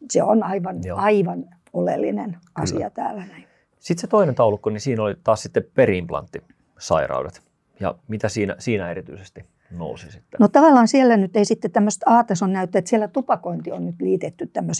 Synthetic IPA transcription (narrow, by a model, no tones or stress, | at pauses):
sḛo̰nɑiʋɑnɑiʋɑn | olḛlːḭnenʔɑ̰sḭɑ̰t̪æ̰ːlænæi | sit̪set̪oinent̪ɑulukːonisiːnolit̪ɑːssit̪ːepeɾiimplɑ̰nt̪ːi | sɑ̰irɑ̰udet̪ | jɑ̰mit̪æsiːnæ̰siːnæeɾit̪yisest̪i | no̰usisit̪ːenot̪ɑʋɑlːɑːnsielːænyt̪eisit̪ːet̪æmːøst̪ɑːt̪esonnæyt̪ːæet̪sielːæt̪upɑkoint̪ionnyt̪liːt̪et̪ːyt̪t̪æmːøs